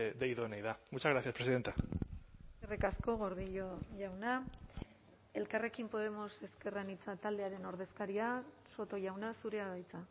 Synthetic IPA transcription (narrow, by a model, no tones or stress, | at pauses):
d̪ejðonajðamut͡ʃazɣɾaθjaspɾesiðe̞nt̪a | serekasko̞ɣ̞o̞ɾðiʎo̞ʝawna | e̞lkare̞kimpo̞ð̞e̞mo̞se̞ske̞ranit͡sat̪ald̪e̞aɾe̞no̞ɾð̞e̞skaɾia | so̞t̪o̞ʝawnasuɾe̞aβajt͡sa